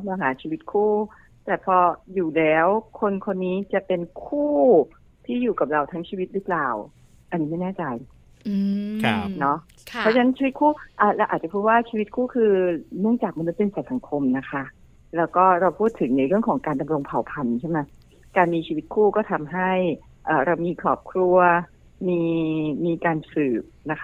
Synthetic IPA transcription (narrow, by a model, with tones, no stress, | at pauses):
laː˧ɦaː˩˦t͡ɕʰiː˧wi˦˥t̪̚kʰuː˥˩ | t̪ɛː˨˩pʰɔː˧juː˨˩lɛː˦˥wkʰo˧nkʰo˧nːiː˦˥t͡ɕa˨˩pe˧nkʰuː˥˩ | t̪ʰiː˥˩juː˨˩ka˨˩p̚ɾa˧wt̪ʰa˦˥ŋt͡ɕʰiː˧wi˦˥t̪̚ɾɯː˦˥plaː˨˩w | ʔa˧nːiː˦˥ma˥˩jnɛː˥˩t͡ɕa˧j | nɔ˦˥ | pʰɔ˦˥t͡ɕa˧na˦nt͡ɕʰiː˧wt̪̚kʰuː˥˩ʔaː˧˩lɛː˦˥wʔaː˨˩t̪̚t͡ɕa˨˩pʰuː˥˩t̪̚waː˥˩t͡ɕʰiː˧wi˦˥t̪̚kʰuː˥˩kʰɯː˧nɯ˥˩əŋt͡ɕaː˨˩k̚ma˧nu˦˥t̪̚pe˧nsa˨˩sa˩˦ŋkʰo˧mna˦˥kʰa˦˥ʔ | lɛː˦˥wkɔː˥˩ɾa˧wpʰuː˥˩t̪ʰːɯ˨˩˦ŋna˧jɾɯ˥˩əŋkʰɔː˩˦ŋkaː˧nda˧mɾo˧ŋpʰa˨˩wpʰa˧nt͡ɕʰma˦˥j | kaː˧nmiː˧t͡ɕʰiː˧wi˦˥t̪̚kʰuː˥˩kɔː˥˩t̪ʰa˧mɦa˥˩j | ʔaː˨˩ɾa˧wmiː˧kʰɾɔː˨˩p̚kʰɾu˧ɐ | miː˧miː˧kaː˧nsɯː˨˩p̚na˦˥kʰa˦˥